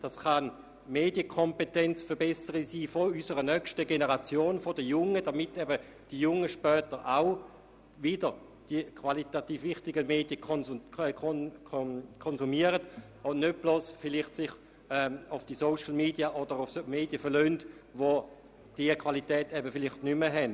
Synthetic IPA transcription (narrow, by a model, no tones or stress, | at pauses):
d̥ɑsχɑn | meːdjəkʰɔmpɛtɛnt͡sfəɐbɛsəʁisiːfoysəʁənœkʃtəɡenəʁat͡sjoːnfɔdəjʊŋədamɪtɛbə | d̥ijʊŋəʃpœːtəʁʔaʊ | vɪdəʁ | d̥ikʰvalitatiːfvɪχtɪɡəmeːd̥ijə | kʰ | kʰɔnzumiəʁət | ɔnøt̚b̥loːsfɪlɪχtsɪχ | ɛʊfd̥isoʊʃl̩meːdiaʔɔd̥əʁʊfsmeːdjəfəɐʁløːntʋo | d̥iɐkʰv̥alitɛːtɛbəfɪlɪχtnyməɦɛn